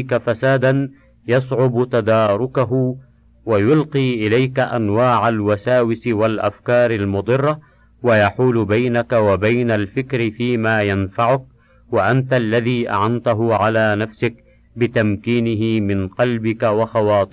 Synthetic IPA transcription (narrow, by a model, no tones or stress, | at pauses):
kafasaːd̪an | jɑsˤʕʊbt̪ad̪ɑːɾˤʊkaɦʊ | wajʊlqiːʔɪlajkaʔanwaːʕalwasaːwɪsɪwalʔa̰fkɑːɾˤalmʊd̪ˤɨrˤːɑ | wajaħuːlʊbajnakawabajnalfɪkɾɪfiːmaːjanfaʕʊk̚ | waʔant̪alːaðiːʔa̰ʕant̪aɦʊʕalaːnafsɪk̚ | bɪt̪amkiːnɪɦɪmɪnqɑlbɪkawɑxɑwɑːt̪ˤ